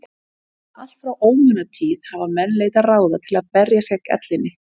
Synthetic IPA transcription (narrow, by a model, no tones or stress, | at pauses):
al̥t̪fɾawʔoːwmʏnat̪ʰiːð̥havamɛnːleːjt̪araːwðat̪ʰɪlaðpɛɾjasjɛkɛ̰t̪lɪnːɪ